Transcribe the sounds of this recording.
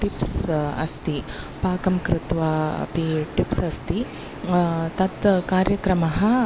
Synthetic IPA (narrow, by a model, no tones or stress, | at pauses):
ʈipsɐ̰st̪i | paːkɐmkɾɪt̪ʋɐ̰piʈipsɐst̪i | t̪ɐt̪kaːɾjɐkɾɐmɐɦɐ